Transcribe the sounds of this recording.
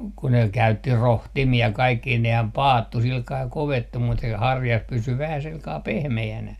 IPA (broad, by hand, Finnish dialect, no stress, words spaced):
ku ne kæytːi rohtimiɑ kɑikːi nehæm pɑːtːu silkɑː koʋetːu mut se hɑrjɑs pysy ʋæhæ silkɑː pehmeænæ